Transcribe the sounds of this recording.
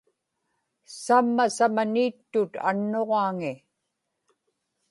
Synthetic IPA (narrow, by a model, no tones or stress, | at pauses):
samːasamaniːt̪ːʊt̪a̰nːoʁɑːŋɪ